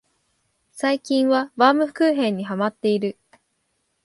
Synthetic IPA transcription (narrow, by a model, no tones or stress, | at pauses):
saikʲĩɰ̃βabaːmɯ̟ɸɯ̟̥kɯːɦẽ̞ɲ̟ːiɦamat̪ːe̞iɾɯ̟